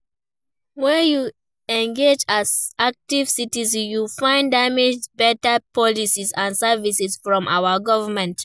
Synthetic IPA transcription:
wɛju | ɛ̃ŋɡed͡ʒazak̚tiv̥sitizjufãɪ̃ndamed͡ʒbɛtəpɔlisizãnsɛvisɛsfɹɔ̃mʔa̰wəɡɔvəmɛ̃nt

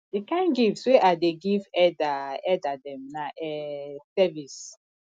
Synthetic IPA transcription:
dikãɪ̃nɡifsweʔadeɡivɛdaɛdadɛ̃mnaʔɛsɛvis

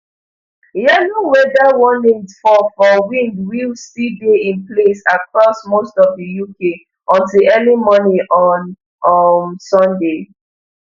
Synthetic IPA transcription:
jɛlowɛdawɔnĩŋsfɔfɔwĩndwilsideĩnplesakɹɔsmostɔfdəjuke | ʔɔ̃ntilɛnimɔnĩʔɔn | nsɔ̃nde

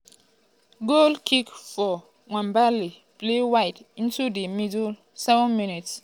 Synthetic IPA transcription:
ɡolkʰikfɔ | ŋãmbali | plewajtĩntudemidul | sɛvɔ̃nminits

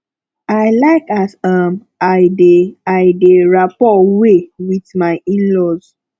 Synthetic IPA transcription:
aɪlaɪkasam | adeaɪdeɹapɔwewitmaɪĩnlɔz

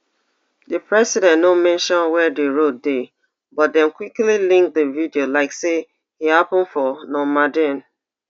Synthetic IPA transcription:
dəpɹɛsidɛ̃nnomɛ̃nʃɔ̃nwɛdeɹot̚de | bɔt̚dɛ̃mkwiklilĩŋk̚dəvidiolaɪkse | hihapə̃n̩fɔnɔ̃madɛ̃n

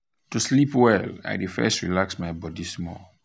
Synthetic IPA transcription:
tuslipwɛla̰jdifɛ̰stɹilaksmajbɔdismɔ̰

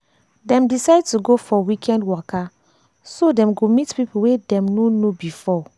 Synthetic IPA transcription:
dɛ̃mdisaɪd̚tuɡofɔwikʰɛ̃ndwɔka | sodɛ̃mɡomitpipuwedɛ̃mnonobifɔ

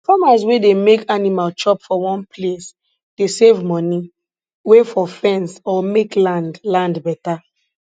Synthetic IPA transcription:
famas̬wedemekanimalt͡ʃɔpfɔwɔ̃nples | d̥esevmɔni | wefɔfɛ̃nsɔmeklãndlãndbɛta

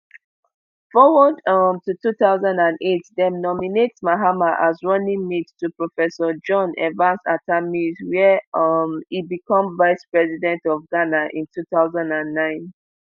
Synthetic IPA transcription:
fɔwɔdʌmtutuθaʊzãndãnetdɛ̃mnɔminetsmaɦamaʔazɹɔ̃nĩmittupɹofɛsɔd͡ʒɔ̃nɛ̰vãnsatʰamizwɛʌmibikʰɔ̃mvaɪspɹɛzidɛ̃ntɔvɡanaʔĩntʰuθaʊzãndãnːãɪ̃n

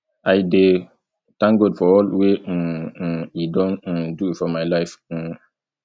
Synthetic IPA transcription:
ʔajde | tãŋɡɔdfɔɔlwe | idɔ̃n̩duitfɔmajlaɪf̩

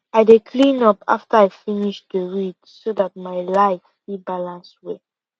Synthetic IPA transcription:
aɪdekʰlĩnɔpa̰ftəaɪfiniʃdəɹidsoðat̚maɪlaɪffibalãnswe

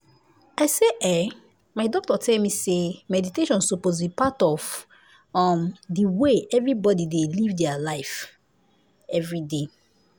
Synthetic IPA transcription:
aɪseʔɛ | maɪdɔk̚tɔtʰɛlmisemɛditeʃɔ̃nsupozbipatɔv | ɔmdiweʔɛvɹibɔdidelivdɛalaɪf | ɛvɹide

